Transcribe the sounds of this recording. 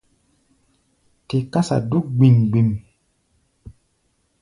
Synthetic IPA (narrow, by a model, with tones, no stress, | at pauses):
te˨ka˦sa̰˨du˦k̚ɡ͡bi˨nɡ͡bi˨m